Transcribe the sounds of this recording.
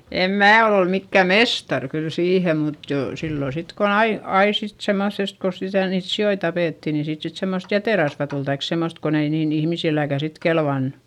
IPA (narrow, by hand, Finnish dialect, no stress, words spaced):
em mæː ol ol mikːæˑ mestɑr kyl siːhem mut joˑ silːo sit kon ɑi ɑi sit semoθest ko sitæ niːt sioi tɑpeˑtːi ni siːt sit semːost jæteˑrɑsʋɑ tul tɑik semːost kon ei niːn ihmisilːækæˑ sit kelʋɑnːu̥